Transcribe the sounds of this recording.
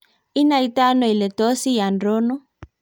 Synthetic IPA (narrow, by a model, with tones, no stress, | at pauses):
i˦na˨i˦ta˦nɔ˨i˨le˨tɔ˦si˦ja˨ndo˦nɔ˦